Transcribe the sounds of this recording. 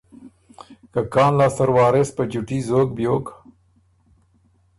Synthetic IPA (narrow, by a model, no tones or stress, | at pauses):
kakɑːnlɑːst̪aɾwɑːɾespəd͡ʒuʈizoːk̚bjok